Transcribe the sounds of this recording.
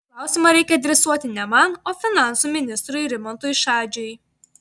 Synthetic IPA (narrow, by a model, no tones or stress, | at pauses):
klˠɑˑʊsʲɪmɐɾʲɛɪkʲɛɐd̪ʲɾʲɛsuɔt̪ʲɪnʲɛmɐnoːfʲɪnɑnsuːmʲɪnʲɪst̪ɾʊjɾʲɪmɔnt̪uːjʃɑːd͡ʒʲʊɪ